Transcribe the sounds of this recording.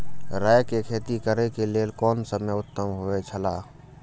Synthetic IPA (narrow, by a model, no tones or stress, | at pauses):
ɾaːjkekʰeːt̪ikəɾekeleːlkɔːnsəməʊt̪ːəmɦoet͡ʃʰəlaː